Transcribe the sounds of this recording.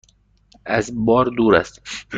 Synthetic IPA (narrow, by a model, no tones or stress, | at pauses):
æzbɒːɾd̪uːɾæ̰st̪